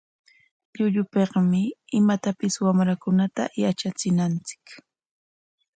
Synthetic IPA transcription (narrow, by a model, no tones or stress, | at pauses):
ʎʊʎʊpeqmɪɪmat̪apɪswamɾakʊnat̪a̰jat͡ʃat͡sɪnant͡sɪ̥k